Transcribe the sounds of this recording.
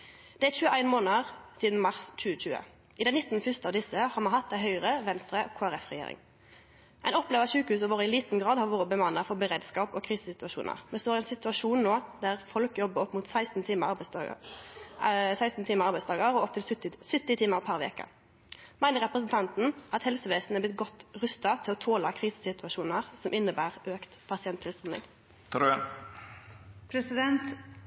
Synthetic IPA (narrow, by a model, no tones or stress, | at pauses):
d̪̥ɛæt͡ʃʉːəʔæɪnmoːnəʁsiːd̪n̩mɑʁst͡ʃʉːət͡ʃʉːə̰ | ʔɪd̪ɛnɪt̪ːn̩fʏst̪əɑːʋd̪ɪsəhɑːmɑnɦɑt̪̚d̪æɪɦœʏʁəʋɛnst̪ʁəkʰoːæɾɛfʁɛjḛːɾɪ̰ŋ | ʔæɪnɔpːleːʋəʃʉːkəhʉːs̬ɔʋoːʁəɪliːt̪n̩ɡʁɑːd̪hɑːʁʋoːʁəbəmɑnəfɔʁbəʁeːd̪skɑːpoːkʰʁiːsəsɪt̪ʉɑʃṵːnə̰ʁmɛst̪oːɾɛnsɪt̪ʉɑʃuːnnoːd̪æʁfɔlkəjɔbːəʁɔpːmuːt̪sæɪst̪n̩t̪ʰiːmə̰ | sæɪst̪n̩t̪ʰiːməʁɑʁbæɪst̪ɑːɡɑɾɔɔp̚t̪ʰɪlsʏt̪ːɪt̪ʰiːməʁpʰæɾʋḛːkə̰ | mæɪnəɾʁɛpʁəsnt̪ʰɑnt̪n̩ʔɑt̪hɛlsəʋeːsn̩æblɪt̪̚ɡɔt̪ːʁʉst̪ɑt̪ʰɪlɔt̪ʰoːlɑkʰʁiːsə̥sɪt̪ʉɑʃuːnəʁsɔmʔɪnːəbæːʁʔøːkt̪pʰɑsɪɛnt̪ʰːɪlsʁɛnɪ̰ŋ | t̪ʰɑɖʉɛn | pʰɾɛsɪd̪ɛnt̪